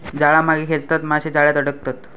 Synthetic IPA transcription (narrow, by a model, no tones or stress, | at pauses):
d͡zaɭamaɡikʰelt̪at̪maɕed͡zaɭjat̪əɽək̚t̪at̪